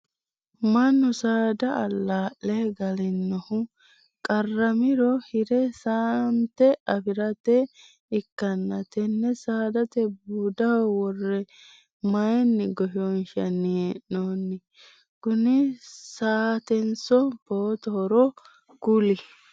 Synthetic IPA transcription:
mɐnːʊsaːd̪ɐɐlːaːʔɛɡɐlɪnːɔhʊ | kʼɐrːɐmɪɾɔhɪɾɛsaːnt̪ɛʔɐfɪɾɐt̪ɛ | ɪkːɐnːɐt̪ɛnːɛsaːd̪ɐt̪ɛb̚uːd̪ɐɔwɔrːɛ | mɐjɛnːɪɡɔʃoːnʃɐnːɪeʔoːnːɪ | kʊnɪsaːt̪ɛnsɔb̥oːt̪ɔɾɔ | kʊlɪ

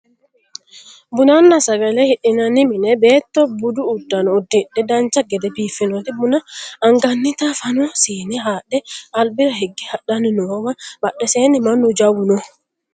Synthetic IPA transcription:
bunanːasaɡalɛhiɗinaniminɛbɛtːɔbuduːdːanodiɗːɛdant͡ʃaɡɛdɛpifinɔtibunaːŋɡanːitafanɔsinɛɦaɗɛʔalbiɾaɦeɡːihaɗaninɔwabaɗːɛsɛnimanːɔd͡ʒawunɔ

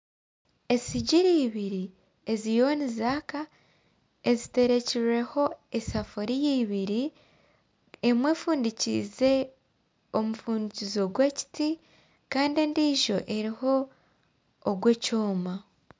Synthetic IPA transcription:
e̞siɟiɾiːβiɾi | e̞zijo̞nizaːka | e̞zite̞ɾe̞ciɾe̞ho̞esafoɾijiːβiɾi | emwe̞fuːndicḭze̞ | omufuːndicizo̞ɡweci̥ti | kaːndiendiːʒo̞ʔe̞ɾiho̞ | ɡwe̞coːma

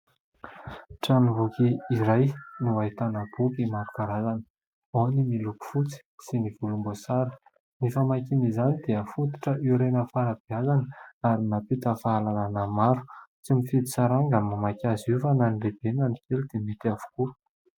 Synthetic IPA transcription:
ʈ͡ʂanivukiiɾajnuaɦit̪anəb̥ukimaɾukaɾazanə̥ | onimiluku̥fut͡si̥siniv̥ulumbosaɾə̥ | nifamakinizanid̪̥iəfut̪i̥ʈ͡ʂəʔiɾenəfaɾab̥iazanəaɾinapit̪əfalalanəmaɾu̥t͡simifid̪isaɾaŋɡamamakʲazuvananileb̥enanikelid̪̥emit̪iavu̥ku

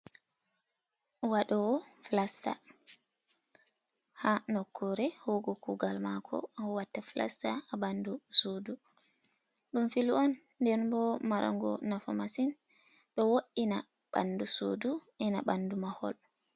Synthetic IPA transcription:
waɗɔwɔflasta̰ | hanɔkʰːɔɾɛhoɡɔkuɡalmakʰɔ̰ɔwatːafla̰staabandusodu | ɗumfiluɔnːdɛnbɔmaɾʔa̰ŋɡɔ̰nafɔmasinɗɔwoʔinaɓa̰nduso̰duʔɛnaɓandumahɔ̰l

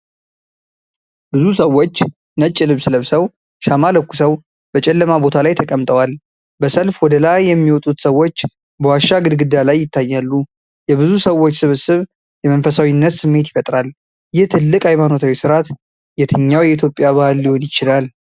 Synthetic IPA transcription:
bɨzusəwːo̞t͡ʃː | nət͡ʃʼːɪlɨβsɨləβsəw | ʃamaləkːusəw | bət͡ʃʼɛlːəmabo̞t̪ʰalajt̪ʰəkʼəmt̪ʼəwal | bəsəlfwɔd̪əlajːɛmːiwɔt̪ʼut̪səwo̞t͡ʃː | bəwaʃːaɡɨd̪ɡɨd̪alajːɪt̪ʰːajːalːu | jɛbɨzusəwːo̞t͡ʃːsɨβɨsɨβ | jɛmənfəsawinːət̪sɨmːe̞t̪jɪfət̪ʼɾal | jɪht̪ʰɨlːɨkʼajmanot̪ʰawisɨɾat̪ | jɛt̪ʰɨɲːawjɛit̪ʰjo̞pʼːjaβahɨlːiho̞njɪt͡ʃɪlal

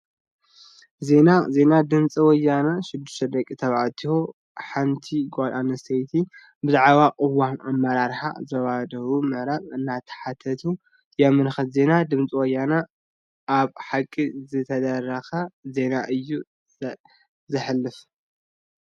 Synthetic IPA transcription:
ze̞naze̞nad̪ɨnt͡sʼiwɔjːanɐʃɪd̪ːɪʃt̪ʰɐd̪ɐkʼit̪ʰɐβat̪ʰiho | ħant̪ʰiɡʷalanɐsɐjt̪ʰi | bɨzaʕβaqʼɨwanʔamːɐɾaɾħa̰zɐβad̪ɐwumɨhɾaβɨnːat̪ʰɐ̥ħat̪ʰɐt̪ʰu | jɛmːɨnxɐt̪ze̞nad̪ɨmt͡sʼiwɔjːanɐ | ʔaβħakʼːizɨt̪ʰɐd̪ɐrɐxɐze̞naʔɨjːu | zɨħɨlːɨf

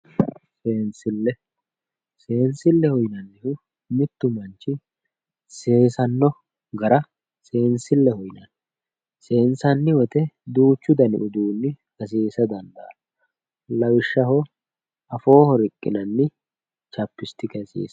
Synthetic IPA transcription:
seːnsɪlːɛ | se̞ːnsɪlːɛhɔjnɐnɪhʊ | mɪt̪ːʊmɐnt͡ʃːɪ | se̞ːsɐnːɔ | ɡɐɾɐ | se̞ːnsɪlːɛhɔjnɐn | se̞ːnsɐnːɪwɔt̪ɛd̪uːt͡ʃːʊd̪ɐnɪ̰ʔʊd̪uːnːɪ | ɐs̬iːsɐd̪ɐnd̪ɐɐ | lɐwɪʃːɐɦɔ | ɐfo̞ːhɔɾɪkʼːɪ̰nɐnːɪ | t͡ʃɐpːɪst̪ɪkɐsḭːs

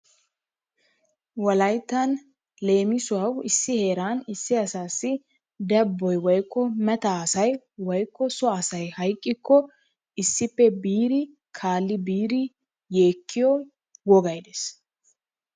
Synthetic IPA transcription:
wɐlɐjt̪ːɐn | le̞ːmɪsʊɐwɪsːɪhe̞ːɾaːnɪsːɪɐsaːsːɪ | d̪ɛbːɔjwɔjkːɔmɛt̪asɐj | wɔjkːɔsɔɐsɐjhɐjkʼːɪkːɔ | ɪsːɪpːɛbiːɾɪ | kʰaːlːɪbiːɾɪ | je̞ːkʰːɪjɔ | wɔɡɐjd̪es

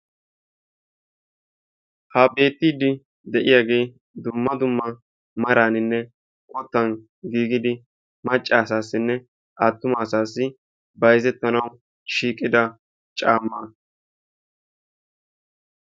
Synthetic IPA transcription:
hɐbe̞ːt̪ːiːd̪ɪ | d̪ɛʔɪjaːɡe̞ː | d̪ʊmːɐd̪ʊmːɐ | mɐɾaːnɪnːɛ | kʼɔt̪ːɐn | ɡiːɡɪd̪ɪ | mɐt͡ʃʼːaːsaːsːɪnːɛ | ʔat̪ːʊmaːsaːsːɪ | bɐjzɛt̪ːɐnɐw | ʃiːkʼːɪd̪ɐ | t͡ʃʼaːmːaː

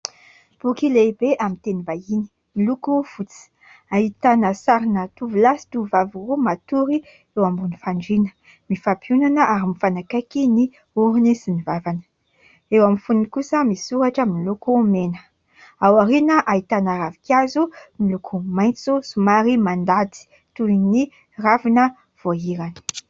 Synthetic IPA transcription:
b̥ukilebeʔamint̪enibajini̥ | milukufut͡si̥ | aɦit̪anəsaɾinət̪uvulasi̥t̪uvavurumat̪uɾi | ewambunifaɳɖ͡ʐinə̥ | mifapjunanəʔaɾimifanakakini | uɾinisinivavanə̥ | ewamifunikusəmisuɾaʈ͡ʂamilukumenə | awaɾinəʔait̪anəɾavikiazumilukʰumajnt͡susumaɾimand̪at̪i̥ | t̪uini | ravinə | v̥oɦiɾanə̥

